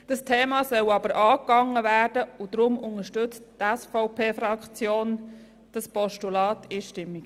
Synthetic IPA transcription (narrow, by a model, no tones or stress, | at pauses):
d̥ɑstʰeːmɑːsœwɑbəɾʔɑːkɑŋːəvæːrdəud̪̥ɾʊmʊŋəʃtʏt͡sttæsfɔʊpʰeːfɾɑkt͡sjoːn | d̥ɑspɔʃtulɑːtʰiʃtɪmːiɡ